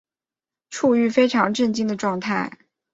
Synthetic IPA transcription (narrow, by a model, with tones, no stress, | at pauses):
ʈ͡ʂʰu˥˧y˥˩fe˥ɪʈ͡ʂʰɑ˧˥ŋʈ͡ʂə˥˧nt͡ɕi˥˩ŋd̪ə˩ʈ͡ʂwɑ˥˧ŋt̪ʰa˥˩ɪ